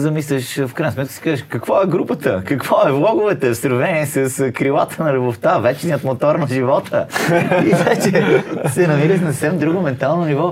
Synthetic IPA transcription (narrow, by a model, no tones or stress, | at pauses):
zɐmislʲəʃfkɾajnsmɛt̪kə̥si̥kazəʃkɐkvɔɛɡɾupət̪əkɐkvɔɛvlˠɔɡʊvɛt̪ɛsɾvɛniɛsɐskɾilˠat̪ənɐlʲuboft̪avɛt͡ʃnijət̪mot̪ɔɾnɐʒivɔt̪ʰə̰iɛt͡ʃɛsɛnɐmiɾət̪nɐssɛmd̪ɾuɡomɛnt̪alˠnonivɔ